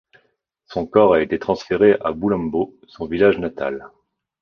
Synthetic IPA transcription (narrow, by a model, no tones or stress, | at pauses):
sɔ̃kɔʁaet̪et̪χɑ̃sfeʁeʔa̰bulɑ̃mbo | sɔ̃vilaʒnat̪a̰l